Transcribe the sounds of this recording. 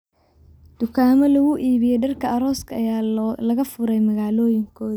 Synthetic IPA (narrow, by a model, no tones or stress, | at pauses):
d̪̥ʊkʰaːmɔlɐɣʊʔiːβɪjɛjɖɐrkʰɐɐɾɔːskʰɐɐjaːlɐɣɐfʊɾɛjmɐɣaːlɔːjɪŋkʰɔːð